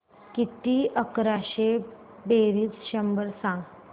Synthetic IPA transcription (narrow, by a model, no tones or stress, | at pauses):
kit̪iʔəkɾaɕe | beɾiːt͡sɕəmbəɾsãŋɡ